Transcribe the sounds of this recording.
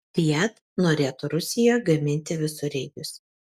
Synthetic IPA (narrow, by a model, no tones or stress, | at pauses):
t̪ʲijɛt̪ | noːɾʲeːt̪ʊɾʊsʲɪjojɡɐmʲɪnʲt̪ʲɪʋʲɪsʊɾʲɛɪɡʲʊsʲ